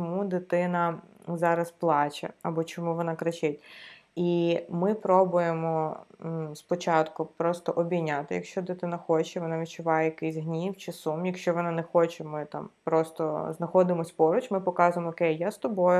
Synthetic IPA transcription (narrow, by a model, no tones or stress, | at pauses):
ɔmud̪ɪt̪ɪnɐzɑɾɐsplˠɑt͡ʃʲɐ̰ɐbɔt͡ʃɔmuʋɔnɑkɾɐt͡ʃɪtʲimɪpɾɔbʊjemɔ | spɔt͡ʃɑt̪kʊpɾɔst̪ɔʔɔbʲinʲat̪ɪjɐkʃt͡ʃɔd̪ɪt̪ɪnɐxɔt͡ʃɛʋɔnaʋʲid̚ʲt͡ʃʊʋɑjɛjɐkɪsʲɦnʲiwt͡ʃɪsumjɐkʃt͡ʃɔʋɔnanɛxɔt͡ʃɛmɪt̪ɑ̰mpɾɔst̪ɔznɐxɔd̪ɪmɔsʲpɔɾʊt͡ʃmɪpɔkɑzʊjemɔɔkɛjjast̪ɔbɔjʊ